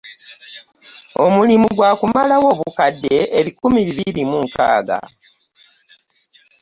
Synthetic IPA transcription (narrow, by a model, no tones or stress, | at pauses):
o̞mulimuɡwaːkumalawo̞ːβukadːe̞ːβikumiβiβiɾimuŋka̰ːɡa̰